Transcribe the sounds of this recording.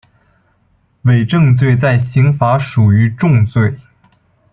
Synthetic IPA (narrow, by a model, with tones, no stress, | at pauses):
we˨˩ɪʈ͡ʂɤ˥˧ŋt͡swe˥˧ɪt͡sa˥˩ɪɕi˧˥ŋfa˧˥ʂu˨˩y˧˥ʈ͡ʂʊ˥˧ŋt͡swe˥˩ɪ